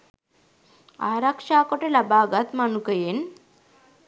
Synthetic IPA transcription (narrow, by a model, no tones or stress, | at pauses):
a̰ːɾɐkʂaːkoʈelɐbaːɡɐt̪mɐnukɐjen